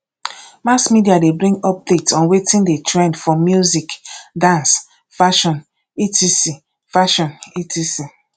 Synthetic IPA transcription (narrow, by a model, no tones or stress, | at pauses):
masmidiadebɾĩŋɡɔp̚detsɔ̃nwetĩndetɹẽndfɔmjuzikdãns | faʃɔ̃n | itisi | faʃɔ̃nitʰisi